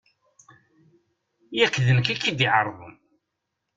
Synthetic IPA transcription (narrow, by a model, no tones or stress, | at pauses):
jækːðənəkækːid̪iʕəɾˤðˤəm